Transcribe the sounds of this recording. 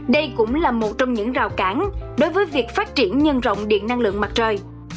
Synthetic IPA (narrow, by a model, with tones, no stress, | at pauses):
ɗə˧jkʊ̰˧˥ŋ͡mlaː˨˩mo˨˩t̚t͡ɕɔ˧wŋ͡mɲɨ̰˧˥ŋzaː˨˩wkaː˨˦nɗo˨˦jvəː˨˦jvi˨˩ək̚faː˦˥t̚t͡ɕi˧˩ənɲə˧nzə̰˧˨wŋ͡mɗḭ˧˨ənːa˧ŋlɨ̰˧˨əŋma˨˩t̚t͡ɕəː˨˩j